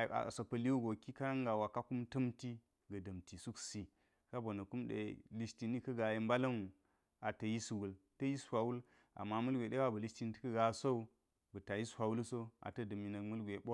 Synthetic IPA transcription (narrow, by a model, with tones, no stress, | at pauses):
a̰˨so˨pɐ˨li˦wu˦ɡo˨ki˦ka˦na˦ŋɡa˨wa˨ka˦ku˦mtɐ˦mti˦ | ɡɐ˨dɐ˨mti˨su˦ksi˨ | ka˦bo˨nɐ˨ku˦mdḛ˨li˦sti˨ni˦kɐ˦ɡa˨ji˦mba˦la˦nu˨ | a˨tɐ˨ji˦su˨wu˨ltɐ˦ji˦swʷa˨wu˦l | a̰˨mːa˦mɐ˦lɡʷe˨ɗe˦wa˦bɐ˨li˦sti˦n˦ti̥˦kɐ˦ɡa˨so˦u˦ | bɐ˨ta˨ji˦swa˨wu˦lso˦a̰˨tɐ˦dɐ˨mi˨nɐ˨kmɐ˦lɡʷe˨ɓo˦